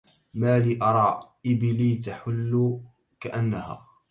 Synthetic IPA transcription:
maːliːʔɑɾˤɑːʔɪbliːt̪aħʊlː | kaʔanːaha̰ː

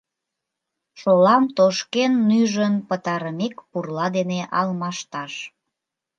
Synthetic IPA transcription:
ʃolɑmt̪oʃkenːyʒənpət̪ɑɾəmekpurlɑd̪eneʔɑlmɑʃt̪ɑʃ

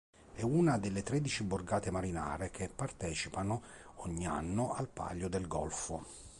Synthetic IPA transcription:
ɛuːnad̪elːet̪ɾed̪it͡ʃibʊrɡaːt̪emaɾina̰ːɾekʰepːart̪ɛːt͡ʃipanʊ | ɔɲːia̰nːʊalpa̰ʎːʊd̪elɡɔlfʊ

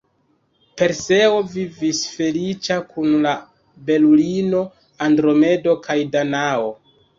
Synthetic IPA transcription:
pe̞ɾse̞o̞vivisfe̞lit͡ʃakunla | be̞lulino̞ | andɾo̞me̞do̞kʰajdanao̞

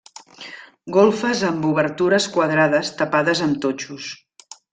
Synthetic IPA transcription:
ɡolˠfəzəmbuβəɾt̪uɾəskwəðɾaðəst̪əpaðəzəmt̪ot͡ʃus

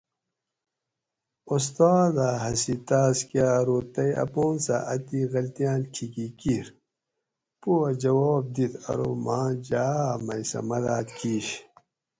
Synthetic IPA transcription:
ust̪aːd̪aɦɐsit̪aːskjaːɾoːt̪ɐjɐ̰poːnsa̰ʔɐt̪iɣɐlt̪ijaːnkʰikikiɾ | puɐd͡ʑɐwɔːb̚d̪it̪ʰɐ̰ɾomãːd͡ʑaːmɐjsɐ̰mɐd̪aːt̪kʰiːɕ

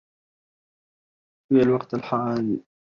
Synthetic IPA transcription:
ijalwɑqt̪alħaʕaːni

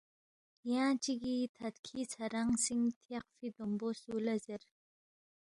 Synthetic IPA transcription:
jaːt͡ʃʰiɡit̪ʰat̪kʰit͡sʰaɾaŋsiŋt̪ʰeqfid̪ombosulazɪɾ

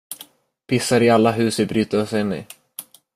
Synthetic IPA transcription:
pʰɪsːaɾɪalːaɦʉ̟ːsvɪbɾyːt̪asɪnːɪ̰

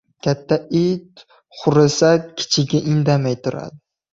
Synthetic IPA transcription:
kʲʰat̪ʰːaid̪ | χʊɾɪsakʲʰɪ̥t͡ʃʰɪɡʲaʔɪŋd̪amajt̪ʰʊɾa̰d̪ɪ

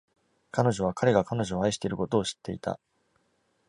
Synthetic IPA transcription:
kano̞ʑo̞β̞akʰaɾe̞ɡakano̞ʑo̞ːaiɕi̥t̪eiɾɯ̟ko̞t̪o̞ːɕi̥t̪ːe̞ḭt̪a̰

